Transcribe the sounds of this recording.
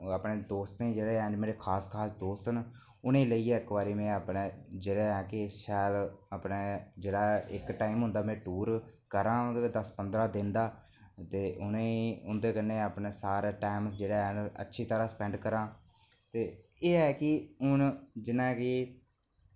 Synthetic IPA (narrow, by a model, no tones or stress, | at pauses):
apɳeːd̪oːst̪ĩːd͡ʒeːɽeːɛːɳɖmeːɾeːkʰaːskʰaːsd̪oːst̪n | ʊnẽːləiːaːɪkbaːɾiːmɛ̃ːaːpneːd͡ʒeːɽeːɦɛːkɪʃɛːlaːpneːd͡ʒeːɽaːɪkʈaːɪmɦʊ̃nd̪aːmɛ̃ːʈuːɾkəɾãːd̪əspənd̪ɾaːd̪ɪ̃nd̪aː | t̪eːʔʊnẽʊnd̪eːkənːeːaːpɳeːsaːɾaːʈaːɪmsd͡ʒeːɽaːɦɛːə̰tːʃʰiːt̪əɾaːsə̥pɛ̃ːɳɖkəɾãː | t̪eːeːɛːkɪʊnd͡ʒɪnãːkɪ